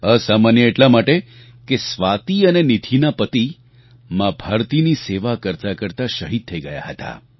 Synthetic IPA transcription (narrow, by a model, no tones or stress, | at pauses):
əsamanjəeʈlamaʈe | kesʋat̪iənenit̪ʰinapət̪i | mãbʱaɾt̪iniseʋakəɾt̪akəɾt̪aʃəɦid̪̚t̪ʰːəiɡəja̰ɦət̪a̰